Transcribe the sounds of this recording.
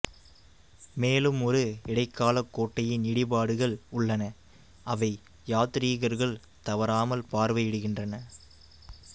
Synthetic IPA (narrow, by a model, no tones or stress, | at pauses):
meːlɯmɔɾɯɪɽɐɪkːaːlɐkːoːʈːɐjɪnɪɽɪpaːɽɯɣɐɭʊɭːɐnɐ | ɐʋɐɪ | jaːt̪ɪɾiːɣɐɾɣɐɭ | t̪ɐʋɐɾaːmɐlpaːɾʋɐjɪɽɯɣɪndrɐnɐ